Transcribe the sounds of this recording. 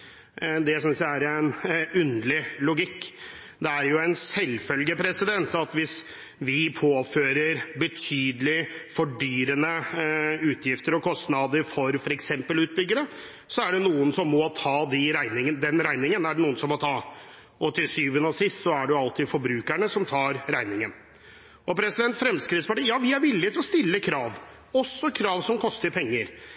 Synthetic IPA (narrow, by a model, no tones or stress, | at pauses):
d̪ɛjsʏnsjææɾɛnʉnlɪlʊɡɪkː | d̪ɛæɾjʊɛnsɛlfœlɡəpʰɾɛsɪd̪ɛnt̪ɑt̪ʋɪs | ʋɪpʰoːføːɾəɾbət̪ʰyːd̪əlɪfɔɖyːɾənə | ʉːt̪ʰjɪft̪əɾɔkʰɔst̪nɑd̪əɾfɔɾfɔɾɛksɛmpəlʉːt̪̚bʏɡːəɾə | sɔæɖɛnuːənsɔmːɔt̪ʰɑːd̪ɪɾæɪnɪŋənəd̪ɛnɾæɪnɪŋənæɖɛnuːənsɔmːɔt̪ʰɑː | ʔɔt̪ːɪsyːʋənɔsɪst̪sɔæɖɛʊɑlt̪ɪfɔɾbɾʉːkæɳəsɔmt̪ʰɑːɾɾæɪnɪŋən | ɔpʰɾɛsɪd̪ɛnt̪fɾɛmskɾɪt̪spɑʈiːjɑːʋɪæɾʋɪlːɪt̪ʰɪlɔst̪ɪlːəkʰɾɑːʋ | ɔsːɔkʰɾɑːʋsɔmkʰɔst̪əɾpʰɛŋːəɾ